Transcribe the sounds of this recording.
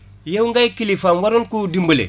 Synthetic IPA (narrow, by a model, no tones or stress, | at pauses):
jewŋɡajkilifanwaɾunkudimbulḛ